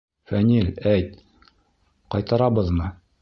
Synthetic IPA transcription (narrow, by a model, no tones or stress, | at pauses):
fænʲilʲæjt̪̚ | qɑjt̪ɑɾɑbɤðmɤ